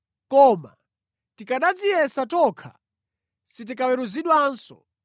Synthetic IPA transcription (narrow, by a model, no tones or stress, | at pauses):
kɔma̰ | tikaɗad͡zijɛsatɔkʰa̰ | sit̬ikawɛɾuziɗwansɔ̰